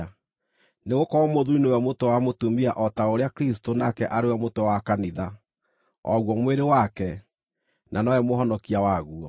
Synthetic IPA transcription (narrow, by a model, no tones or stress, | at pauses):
neɣokɔɔmoðuinoɛmotowamotumiaʔɔtaoɾeakɾistonakɛʔaɾewɛmotowakaniða | ɔ̰ɣwɔmweɾewakɛ | nʔanɔɛmoɦɔnɔkiawaɣuɔ